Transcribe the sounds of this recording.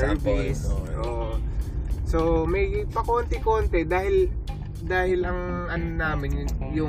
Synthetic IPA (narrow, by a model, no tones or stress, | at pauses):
ɛbisʔoːʔo | somɐjpɐkoːnt̪ɪkoːnt̪ɛd̪aːhɪl | d̪aːhɪlɐŋʔɐnnaːmɪnjʊjʊ